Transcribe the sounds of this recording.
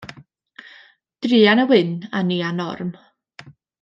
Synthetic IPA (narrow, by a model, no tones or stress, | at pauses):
d̥riːanəwɪnaniːanɔ̰rm